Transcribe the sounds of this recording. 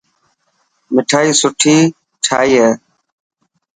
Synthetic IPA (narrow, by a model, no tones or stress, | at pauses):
mɪʈʰaːiːsʊʈʰiː | ʈʰaːiːɦeː